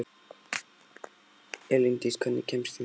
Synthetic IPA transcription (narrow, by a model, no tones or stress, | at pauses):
ɛlint̪iskʰœnːɪ̰cʰɛmst̪i